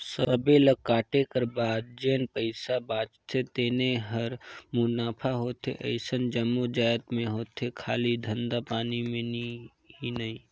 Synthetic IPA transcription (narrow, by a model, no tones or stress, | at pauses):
səbeləkːaːʈekəɾbaːd̪̚d͡ʒeːnpəɪsabaːt͡ʃt̪ʰet̪eːneɦəɾmʊnaːpʰaɦoːt̪ɦḛʔə̰ɪsənd͡ʒəmːod͡ʒaːjt̪mẽɦoːt̪ɦekʰaːlid̪ʱə̃nd̪apaːnimẽni | ɦinəɦĩ